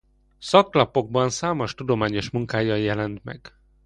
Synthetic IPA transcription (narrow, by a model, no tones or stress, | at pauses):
sɒkːlɒpo̞ɡ̚bɒnsaːmoʃt̪ud̪o̞maːɲo̞ʃmuŋkaːjɒjɛlɛnt̪mɛ̰ɡ̥